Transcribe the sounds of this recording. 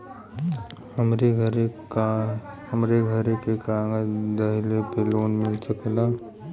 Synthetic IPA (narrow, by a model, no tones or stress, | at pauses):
həmɾeɡʱəɾ | ɦəmɾeɡʱəɾekekaːŋɡəd̪ɐɦɪlepeloːnmɪlt͡ʃəklaː